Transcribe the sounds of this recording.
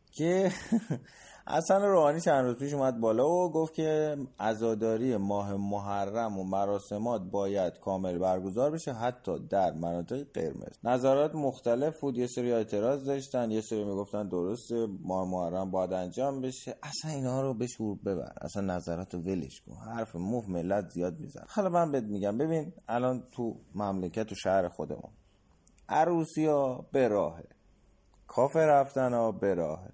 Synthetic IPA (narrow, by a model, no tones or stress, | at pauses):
cʰe | ʔæ̰sænɾoːhɒːnit͡ʃʰænd̪ɾuːzpʰiːʃ̬umæd̪̚bɒːlɒːvoɡoft̪cʰe̞æzɒːd̪ɒːɾijemɒːɦe̞moɦærːæmomæɾɒːse̞mɒːt̪̚bɒːjæd̪̥kʰɒːme̞lbæɾɡo̞zɒːɾbe̞ʃe̞ɦæt̪ʰːɒːd̪æɾmænɒːt̪ʰe̞ɣiɢe̞̰ɾmḛz̥næzæɾɒːt̪ʰmoxt̪æle̞fbuːd̪jeseɾie̞ːt̪ʰe̞ɾɒːzd̪ɒʃt̪ænd̪jeseɾimiɡo̞ft̪ænd̪oɾost̪emɒːemoæɾːæmbɒːjæd̪ænd͡ʒɒːmbe̞ʃeʔæsæninhɒːɾobeʃuɾbe̞βæ̰ɾ̰æ̰sænːæzæɾɒːt̪ʰove̞lḛʃɡo̰hæɾfemufme̞lːæt̪ʰzijɒːd̪̚mizæ̰hɒlɒmænbeet̪̚miɟæmbe̞binælɒːnt̪ʰumæmlecʰæt̪ʰːuʃæhɾe̞xo̞d̪ḛmṵn | ʔæɾuːsijɒːb̥e̞ɾɒːhe | kʰɒːfeɾæft̪ænɒbe̞ɾɒːhe